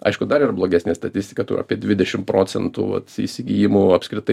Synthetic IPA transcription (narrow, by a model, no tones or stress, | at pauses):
ɐ̰ɪʃkʊd̪ɐɾiːɾɐblˠoːɡʲæːsʲnʲeːst̪ɐtʲɪsʲt̪ʲɪ̥kɐt̪ʊ̰ɾɐ̰pʲiɛd̪ʲʋʲɪd̪ʲɛʃʲɪmpɾoːt͡s̪ʲɛnt̪ṵːʋɐ̰t̪ḭsʲɪɡʲijɪmʊɐpʲskɾʲɪt̪ɐɪ